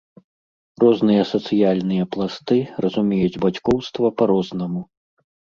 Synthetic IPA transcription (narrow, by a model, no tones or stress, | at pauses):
rɔznɨjɐsɐt̪sɨjalʲnɨjɐplˠast̪ɨrɐzumʲɛjud͡zʲbat͡sʲkɔwst̪vɐpɐɾɔznɐmu